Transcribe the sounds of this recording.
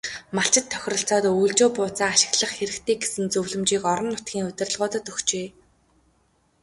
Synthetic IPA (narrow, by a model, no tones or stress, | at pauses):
maɬt͡ɕɪ̆t̪ʰːœ̥xʲɪ̆rɞ̆ɬt͡sɔːt̪uːɮt͡ɕoːpʊːt͡saːaʃɪ̆ɣɮə̆χxeɾɘ̆kt̪ʰeːɡesɘ̆nt͡sɵwɮɵ̆mt͡ɕiːkɔɾɞ̆nːʊt̪̚ɡʲiːŋɵt̪ʲɪ̆rə̆ɮʁʊːt̪ə̆t̪ɵxt͡ɕeː